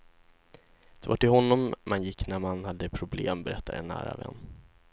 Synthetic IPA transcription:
d̪̥ɛvaʈɪlɦɔnːɔmmʔanjɪkːnæɾmanhad̪ːəpʰɾʊblḛːmbɛɾɛt̪ʰːaɾɛnːæ̰ːɾa̰vɛ̰nː

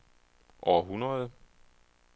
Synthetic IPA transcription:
ʔɒːɦunʁɐð̩ˠ

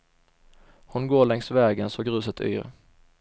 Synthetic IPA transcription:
hʊnɡoːɭɛŋsvɛːɡənsɔɡɾʉ̟ːsət̪ʰy̰ːɾ

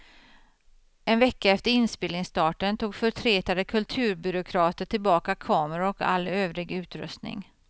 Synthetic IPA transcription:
ɛnvɛkːaɛft̪əɾɪnspɪːlnɪŋst̪ɑːʈənt̪ʰuːɡfœʈ̪ʰɾeːt̪ad̪əkʰɵlt̪ʰʉ̟ːɾbʏɾʊkʰɾɑːt̪əʈʰɪlbɑːkakʰɑːməɾaɔka̰lːøːvɾɪɡʉ̟ːt̪ɾɵ̰st̪nɪ̰ŋ

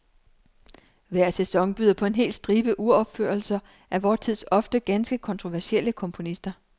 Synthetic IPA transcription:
ʋæɐ̰sesɒ̽ŋb̥yːð̰ˠɐpʰɒ̽e̝nɦe̝̰ːld̥sd̥ʁiːb̥əʔuɐɒ̽b̥føɐlsɐ | ʔæʋɒːt͡sʰið̰ˠsɒ̽fd̥əɡ̥ænsɡ̥əkʰɒ̽nt͡sʰʁo̝ʋæɐsiel̰əkʰɒ̽mpʰo̝nisd̥ɐ

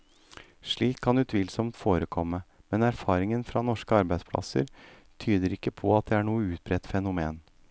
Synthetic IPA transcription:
ʂɭiːkʰːɑnʉt̪ʰʋɪlsɔmt̪foːɾəkʰɔmːəmɛnæɾfɑːɾɪŋənfɾɑnɔʂkəɑɾbæɪspʰlɑ̰sə̰ɾ | t̪ʰyːd̪əɾɪkːəpʰɔɑt̪̚d̪ɛæɳuːəʉːt̪̚bɾɛt̪ːfɛnʊmeːn

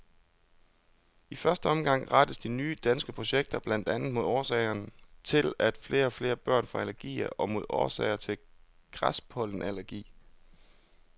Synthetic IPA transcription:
ifɶɐsd̥əɒ̽mɡ̥ɑ̈ŋ̰ʁɑd̥əsd̥inyːd̥ænsɡ̥əpʰʁo̝ɕeɡ̥̚d̥ɐb̥læn̰d̥ænð̩ˠmo̝ðˠɒːsɛɪɐnt͡sʰe̝læd̥fle̝ːɐɒ̽fle̝ːɐb̥ɶɐ̰nfʁɑ̈ælæɐɡ̥ḭːɐʔɒ̽mo̝ð̞̰ˠɒ̰ːsɛ̰ɪɐt͡sʰe̝l | ɡ̥ʁɑspʰɒ̽ln̩ælæɐɡ̥ḭː

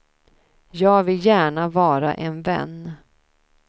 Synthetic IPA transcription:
jɑːɡvɪljæːɳavɑːɾa̰ʔɛnvɛ̰nː

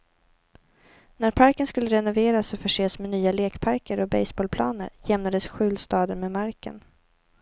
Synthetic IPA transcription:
næɾpʰaɾkənskɵlːəɾɛnʊveːɾasɔfœʂeːsmɛnyːaleːkpʰaɾkəɾɔbɛjsboːlpʰlɑ̰ːnə̰ɾjɛmnad̪əsɧʉ̟ːlst̪ɑːd̪əɾmɛmaɾkə̰n

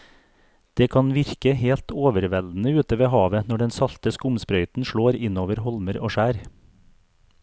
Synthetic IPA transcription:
d̪̥eːkʰɑnʋɪɾkəheːlt̪ʰoːʋəɾʋɛld̪n̩əʉːt̪əʋeːhɑːʋənɔɖɛnsɑlt̪əskʊmspɾœʏt̪n̩ʃɭoːɾɪnoːʋəɾhɔlməɾoːʃæːɾ

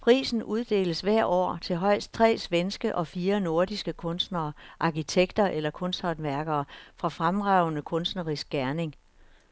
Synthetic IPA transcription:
pʰʁḭːsn̩ʔuð̞ˠd̥e̝̰ːləsʋæɐ̰ʔɒ̰ːt͡sʰe̝ɦɒ̽ɪ̰sd̥̚t͡sʰʁɛ̰ːsʋensɡ̥əʔɒ̽fiːɐno̝ɐd̥isɡ̥əkʰɔ̽nsd̥nɐːʔɑ̈kit͡sʰeɡ̥d̥ɐʔelɐkʰɔ̽nsd̥hɑd̥ʋæɐɡ̥ɐːfʁɑ̈fʁamʁɑ̈ʊnəkʰɔ̽nsd̥nəʁisɡ̥̚ɡ̥æɐne̝ŋ

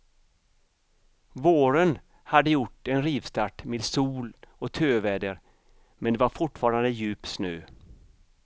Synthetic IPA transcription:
voːɾən | had̪ːəjʊʈːɛnɾiːvst̪aʈmeːd̪suːlɔt̪ʰøːvɛːd̪əɾ | mɛnd̪ɛvaɾfʊʈfɑːɾand̪əjʉ̟ːpsnøː

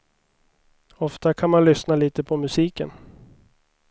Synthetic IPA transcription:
ɔft̪akʰanmanlʏsnaliːt̪əpʰɔmɵsiːkə̰n

